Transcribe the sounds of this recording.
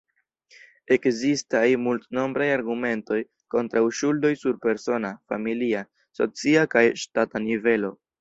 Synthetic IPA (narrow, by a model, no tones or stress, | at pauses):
e̞kzistajmultno̞mbɾajaɾɡume̞nto̞j | ko̞ntɾawʃuldo̞jsuɾpe̞ɾso̞nafa̰milia | so̞̰t͡siakajʃtatanive̞lo̞